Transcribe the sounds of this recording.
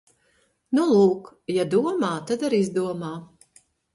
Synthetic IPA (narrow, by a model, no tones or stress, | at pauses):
nulˠuːk | jad̪uɔmaːt̪ad̪aɾizd̪uɔmaː